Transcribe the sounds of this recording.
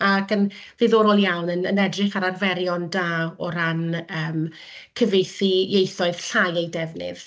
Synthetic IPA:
akənðeðoːɾoːlˠjawnənə̰nɛdrɪχaɾarvɛɾjɔndaːɔɾanəːm | kʰəvejθijejθɔɨð̥ɬajejdɛvnɪ̰ð̥

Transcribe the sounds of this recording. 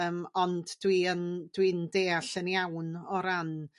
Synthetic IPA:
əmɔndd̥wiənd̥windeːaɬənjawnɔɾan

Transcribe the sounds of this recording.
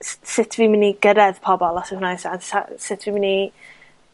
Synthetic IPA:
ssɪtʰviːmɪniɡəɾɛðpʰɔbɔlˠɔsɪhnajsadsa̰sɪtʰviːmɪni

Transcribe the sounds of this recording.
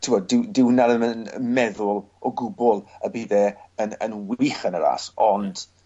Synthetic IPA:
tʰɪwɔdɪwdɪwnalənən̰mɛðʊlˠ | ɔɡʊbɔlˠəbiːðeənə̰nwiχənəɾa̰sɔnd̥

